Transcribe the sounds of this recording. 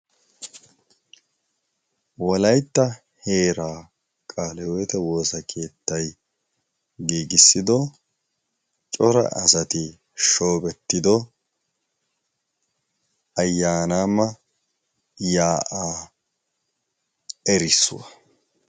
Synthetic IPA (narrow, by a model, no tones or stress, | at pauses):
wɔlɐjt̪ːɐ | he̞ːɾaː | kʼaːlɛwɔjt̪ɛwo̞ːsɐkʰe̞ːt̪ːɐj | ɡiːɡɪsːɪd̪ɔ | t͡ʃʼɔɾɐ̰ʔɐsɐt̪ɪ | ʃo̞ːbɛt̪ːɪd̪ɔ | ɐjːaːnaːmːɐ | jaːʔaː | ɛɾɪsːʊ̰wɐ̰